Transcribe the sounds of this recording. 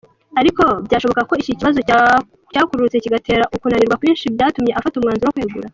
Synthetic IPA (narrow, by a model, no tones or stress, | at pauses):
aɾiko̞bɟaːʃo̞βo̞kako̞iciciβazo | caːkuɾut͡se̞ciɡate̞ːɾaʔukunaniɾɡwakuiːnʃibjaːtumɲe̞ʔafatumŋaːnzuɾookwiːɡṵɾa